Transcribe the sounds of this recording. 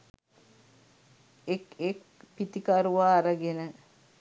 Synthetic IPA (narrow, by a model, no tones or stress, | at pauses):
ekek | pit̪ikaɾuʋaːɾəɡenə